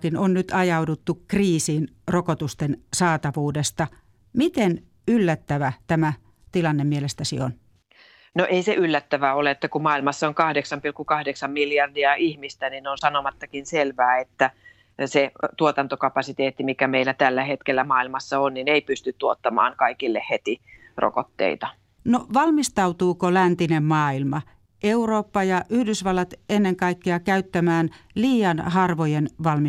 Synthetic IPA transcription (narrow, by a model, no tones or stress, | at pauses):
kinonnyt̪ɑjɑudut̪ːukriːsiːn | rokot̪ust̪ensɑːt̪ɑʋuːdest̪ɑ | mit̪en | ylːæt̪ːæʋæt̪æmæ | t̪ilɑnːemielest̪æsḭon | noʔeiseʔylːæt̪ːæʋæoleet̪ːækumɑilmɑsːɑoŋkɑhdeksɑmpilkːukɑhdeksɑmmiljɑrdiɑʔihmist̪ænineonsɑnomɑt̪ːɑkinselʋæːet̪ːæ | set̪uot̪ɑnt̪okɑpɑsit̪eːt̪ːimikæmeilæt̪ælːæhet̪kelːæmɑːilmɑsːɑonnineipyst̪yt̪t̪uot̪ːɑmɑ̰ːŋkɑikilːehhet̪i | ro̰ko̰t̪ːḛit̪ɑ | noʋɑlmist̪ɑut̪uːkolænt̪inemmɑːilmɑ | euroːpːɑjɑʔyhdysʋɑlːɑt̪enːeŋkɑikːeɑkæyt̪ːæmæːnliːjɑnhɑrʋojenʋɑlmi